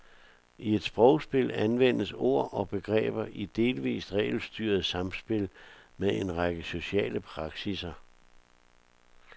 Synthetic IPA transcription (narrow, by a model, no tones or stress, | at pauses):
ʔie̝d̥sb̥ʁɒʊsb̥e̝lænʋen̰əso̝ɐ̰ʔɒ̽b̥e̝ɡ̥ʁɛ̰ːb̥ɐʔid̥e̝ːlʋḭːsd̥ʁɛ̰ːɪlsd̥yːɐð̞̩ˠsɑ̈msb̥e̝lmee̝nʁɑ̈ɡ̥əso̝ɕɛ̰ːləpʰʁɑ̈ɡ̥sisɐ